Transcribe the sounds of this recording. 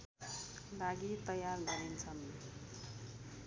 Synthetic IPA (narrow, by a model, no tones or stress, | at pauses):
laɡit̪ʌjarɡʌɾint͡sʰʌn